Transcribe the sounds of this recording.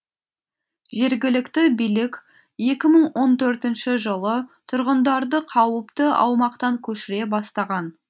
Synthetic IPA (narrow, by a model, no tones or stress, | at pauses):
ʒe̞ɾɡʲɪlɪkt̪ɪbijlɪkʲ | je̞kʲɪməɴwʔo̞nt̪ʰɵɾt̪ɪnʃɪʒəlˠət̪ʰʊɾʁənd̪ɑɾd̪əqʰɑwəpt̪əɑ̰wmɑqt̪ɑŋkʲʰɵʃɪɾe̞bɑst̪ɑʁɑn